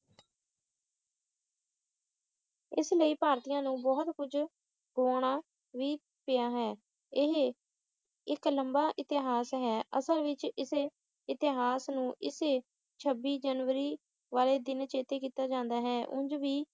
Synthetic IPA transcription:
ɪsləiːpaːɾt̪ijãːnũːbɔːt̪kʊd͡ʒ | ɡoːɽaː | ʋiː | pɪaːɦɛː | ɪɦ | ɪkləmbaːʔɪt̪ɪɦaːsɦɛːʔə̰səlʋɪt͡ʃɪse | ɪt̪ɪɦaːsnũːʔɪseː | t͡ʃʰəbiːd͡ʒənʋəɾiː | ʋaːleːd̪ɪnt͡ʃeːt̪eːk̬iːt̪aːd͡ʒãːnd̪aːɦɛːʔʊ̰̃ɲd͡ʒʋiː

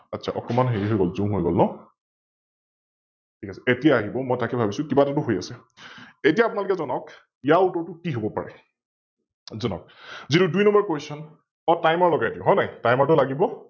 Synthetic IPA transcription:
atːsʰa̰ʔɔ̰kɔmanɦeɹiɦojɡɔlzũmɦojɡɔ̰lnɔ | tʰikasɛ̥etijaaɦibɔmɔjtakɛbʱabisʊ̃kibatatʊɦoja̰sɛ | etijaːpunalʊkɛzɔnɔwk | ijautɔɹtʊkiɦobɔpa̰ɹɛ̰ | zɔnɔ̰k̚zitudujnɔmbɔɹkojsɔn | ɔtajmaɹlɔɡajtiʊɦɔjnajtajmaɹtʊlaɡibɔ

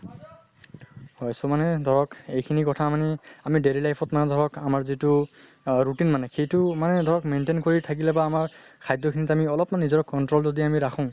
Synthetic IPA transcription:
hɔjsɔmanɛdʱɔɹɔkejkʰinikɔtʰamaniamidelilajpʰɔtmanɛdʱɔɹɔkamaɹzitʊ | ɹutinmanɛxejtʊmanɛdʱɔɹɔkmentenkoɹitʰak̬ilɛbaːmaɹ | kʰajdɔkʰinitamiɔlɔpnanizɔɹɔkːɔntɹolzodiamiɹakʰʊ̃

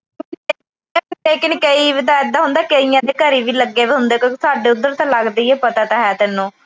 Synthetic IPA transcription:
leːkɪnkəiːʋɪd̪aːɪd̪aːɦʊ̃nd̪aːkəijãːd̪eːkəɾiːʋiːləɡːeːʋiːɦʊ̃nd̪eːkːsaːɖeːʊd̪ːəɾt̪ãːlaɡd̪iːeːpət̪aːt̪aːɦɛːt̪ɪnːũː

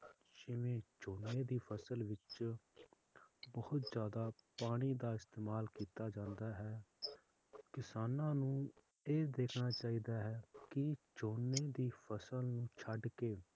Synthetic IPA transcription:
d͡ʒɪmẽːt͡ʃoːneːd̪iːpʰəsəlʋɪt͡ʃ | bəhʊt̪zjaːd̪aːpaːɽ̃iːd̪aːɪst̪eːmaːlkiːt̪aːd͡ʒãːnd̪aːɦɛː | kɪsaːnãːnũː | eːd̪eːkʰnaːt͡ʃaːiːd̪aːɦɛːkɪt͡ʃoːnːeːd̪iːpʰəsəlnũːt͡ʃʰəɖkeː

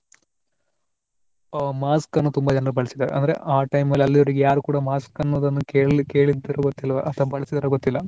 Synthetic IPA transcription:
maːskɐnːut̪umbɐd͡ʒɐnɐrɐbɐɭisid̪ɐɾḛʔɐ̰nd̪ɐɾḛʔaːʈɐjmɐlːɐlːioɾiɡjaːɾukuːɽɐmaːskɐnːɐd̪ɐnːukeke̞ːɭid̪ɐɾɐɡot̪ːilːɐʋɐʔɐt̪ɐbɐɭisid̪ɐɾɐɡot̪ːilːɐ

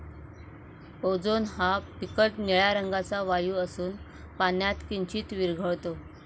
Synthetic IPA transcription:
od͡zonɦapikəʈniɭjaɾəŋɡat͡saʋajuːəsuːn | panjat̪kiɲt͡ɕiːt̪ʋiɾɡʱəɭt̪o

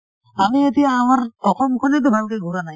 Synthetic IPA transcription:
amiet̪iaːmaɾɔkɔmkʰɔnet̪̬ubʱalkeɡʱuɾanaj

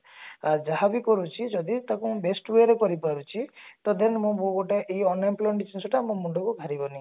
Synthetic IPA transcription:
aɾd͡ʒaɦabikɔɾut͡ʃʰid͡ʒɔd̪it̪akũbesʈweɾekɔɾipaɾut͡ʃʰit̪ɔd̪enmũbõɡoʈeʔejɔnemplɔɳʈit͡ʃʰinsɔʈamũmuɳɖɔkuɡʱaɾibɔni

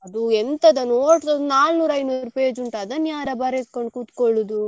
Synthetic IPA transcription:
ɐd̪uent̪ɐd̪ɐnoːʈsɐd̪unaːlnuːɾɐjnuɾupeːd͡ʒuɳʈɐd̪ɐnːjaːɾɐbɐɾekoɳɖkuːt̪koɭud̪u

